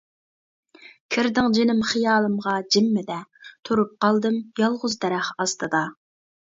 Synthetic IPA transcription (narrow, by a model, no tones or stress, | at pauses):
kʲʰɪɾd̪ɪŋd͡ʒɪnɪmχijɑːlˠɨmʁɑd͡ʒɪmːɪd̪ɛt̪ʰuɾup̚qɑlˠd̪ɨmjɑlˠʁʊzd̪ɛɾæχɑst̪ʰɨd̪ɑ